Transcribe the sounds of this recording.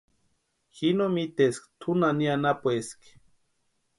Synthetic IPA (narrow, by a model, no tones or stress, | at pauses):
xinomit̪eskt̪ʰunanianapoesk